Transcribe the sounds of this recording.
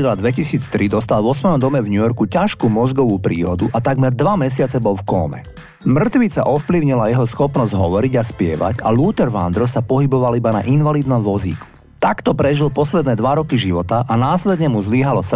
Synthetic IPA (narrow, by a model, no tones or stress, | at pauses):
ilad̪ʋɛcisiːt͡st̪ɾid̪ɔst̪alvɔsʋɛjɔmd̪ɔmɛvɲujɔɾkucaʃkuːmɔzɡɔʋuːpɾiːɦɔd̪uʔat̪aɡmɛɾd̪ʋamɛsɪat͡sɛbɔlfkɔ̰ːmɛ̰ | mr̩t̪ʋit͡sa̰ʔɔfpliʊɲilajɛɦɔsxɔpnɔzɟɦɔʋɔɾiɟaspɪɛ̰ʋa̰ɟaluːt̪ɛɾʋa̰nd̪ɾɔsapɔɦibɔʋalibana̰ʔinʋaliːd̪nɔmʋɔzḭːku̥ | t̪akt̪ɔpɾɛʒilpɔslɛd̪nɛːd̪ʋaɾɔkiʒiʋɔt̪aʔanaːslɛd̪ɲɛmuzliɦalɔs